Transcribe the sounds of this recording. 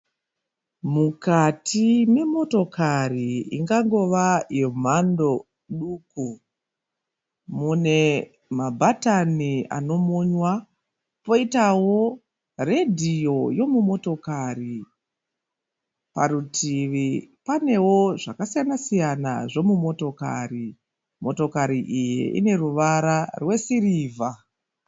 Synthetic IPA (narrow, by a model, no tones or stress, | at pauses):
mukatʰime̞mo̞to̞kʰariḭŋɡaŋɡo̞ʋajem̤ando̞ | ɗuːku | mune̞ | mabʱatania̰no̞moɲwa | po̞itawo̞ | re̞dʱijo̞jo̞mumo̞to̞kari | paɾutiʋipane̞wo̞ʐakasijanasijana̰ʐo̞mumo̞to̞ka̰ri | mo̞to̞kaɾiʔijḛʔḭne̞ruʋaɾarwe̞siriːvʱa